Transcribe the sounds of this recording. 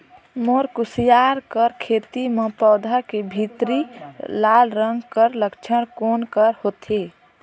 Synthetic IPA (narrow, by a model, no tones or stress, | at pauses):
moɾkusijaɾkəɾkʰet̪imẽpɔːd̪ʱakebʱit̪ɾilalɾəŋɡkəɾləkt͡ʃʰəɾkonkəɾhot̪e